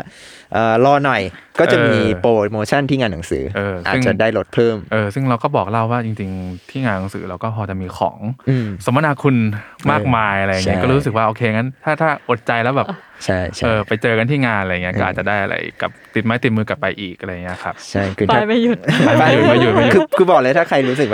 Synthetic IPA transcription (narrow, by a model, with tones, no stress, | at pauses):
ʔɤː˨˩lɔː˧nɔ˨˩jkɔː˥˩ʔt͡ɕaː˨˧ʔmiː˧poː˨˩t̪̚moː˧t͡ɕʰa˥˩nt̪ʰiː˥˩ŋaː˧nːa˩˦ŋsɯ̰ː˩˦ʔɤː˧sa̰˨˩ɯ˥˩ŋt͡ɕa˨˩daː˥˩jlo˦˥t̪̚pʰɤː˥˩mʔɤː˧sɯ˥˩ŋɾa˧wkɔː˥˩bɔː˨˩k̚la˥˩wwaː˥˩t͡ɕi˧ŋt͡ɕi˧ŋt̪ʰiː˥˩ŋaː˧nːa˩˦ŋsɯ̰ː˩˦ɾa˧wkɔː˥˩pʰɔː˧t͡ɕa˨˩miː˧xʰɔ̰ː˩˦ŋʔɯ˧˩so˩˦ma˧naː˧kʰu˧nmaː˥˩k̚maː˧jʔa˧ɾa˧˨ja˨ŋːi˦˥kɔː˥˩ɾuː˦˥s̬ɯ˨˩k̚waː˥ʔoː˧kʰeː˧ŋa˦˥nt̪ʰaː˥˩t̪ʰaː˥˩ʔo˨˩t̪̚t͡ɕa˧jlɛː˦˥wbɛː˨˩p | t͡ɕʰa˥˩jt͡ɕʰaʔɤː˧pa˧jt͡ɕɤː˧ka˧nt̪ʰiː˥˩ŋaː˧nʔaɾjŋi˦˥ɐkʔɔː˥ʔaː˨˩t͡ɕa˨˩daː˥˩jʔa̰˧ʔa̰˧jka˨˩p̚t̪i˨˩t̪̚maː˦˥t̪i˨˩t̪̚mɯː˧ka˨˩pːa˧jʔiː˨˩k̚ʔa˧ɾa˧jŋːi˦˥ɐ˧kʰa˦˥p̚t͡ɕʰa˥˩jkʰɯː˧a˥˧˩jma˥˩ju˨˩t̪̚a˧˥˩a˥˩ju˨˩t̪̚ma˧˩ju˨˩ma˥ju˧kʰɯː˧kʰɯː˧bɔː˨˩k̚lɤː˧˦˥t̪ʰaː˥˩kʰa˧jɾuː˦˥sɯ˨˩k̚wa